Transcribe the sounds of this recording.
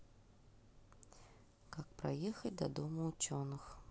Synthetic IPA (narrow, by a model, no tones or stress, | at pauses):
kak̚pɾa̰jɛxɐt͡sʲd̪ɐ̰d̪ɔmuːt͡ʃonɨx